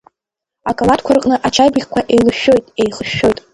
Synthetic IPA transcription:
akʼaladkʷʰarqʼnɨʔat͡ʃʰajbɨχʲkʷʰaʔejlɨʃᶣo̞jtʼejχəʃːo̞jtʼ

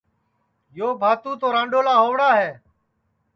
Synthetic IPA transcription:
joːbʱaːt̪ũːt̪oːɾãːɳɖoːlaːɦoːʋɽaːɦɛː

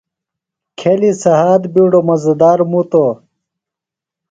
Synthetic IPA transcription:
kʰelisɐɦaːd̪biɽomɐzd̪aːɾmut̪o

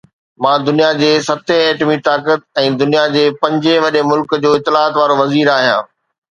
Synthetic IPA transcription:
mãːd̪ʊnijad͡ʑeːsɐt̪ʰẽeːʈmit̪aːkət̪̚ɛ̃ːd̪ʊnijad͡ʑeːpɐ̃ɲd͡ʑẽʋɐɗemʊlkd͡ʑoːɪt̪ːɪlaːət̪ʋaːɾoʋɐziːɾaːɦijã̰ː

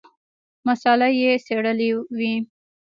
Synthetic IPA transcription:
masɑlajeseɽəliwi

